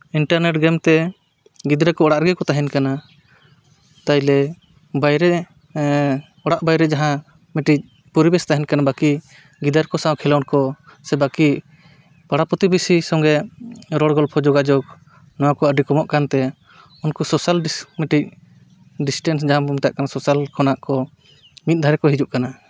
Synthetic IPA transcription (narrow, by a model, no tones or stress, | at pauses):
iɳʈaɾnɛʈɡɛmt̪ɛ | ɡid̪ɾakɔɔɽaʔɾɡɛkɔt̪aɦɛnkana | t̪ajlɛ | bajɾɛ | ɔɽaʔbajɾɛd͡ʒaɦã | miʈic̚ | pɔɾibɛst̪aɦɛnkanabaki | ɡid̪aɾkɔsãwkʰɛlawnkɔsɛbaki | paɽapɔt̪ibisisɔŋɡɛɾɔɽɡɔlpʰɔd͡ʒɔɡad͡ʒɔk̚ | nɔwakɔəɖikɔmɔʔkant̪ɛ | unkɔsɔsalmiʈic̚ | ɖisʈɛnsd͡ʒaɦãbɔmt̪aʔkanasɔsalkɔnaʔkɔ | mit̪̚d̪ʱaɾɛkɔɦid͡ʒuʔkana